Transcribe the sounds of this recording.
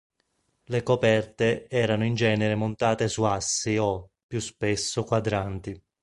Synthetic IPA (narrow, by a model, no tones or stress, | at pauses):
lekopɛrt̪eɛːɾanoind͡ʒɛːneɾemont̪aːt̪esuasːiopːjuspesːokwad̪ɾant̪i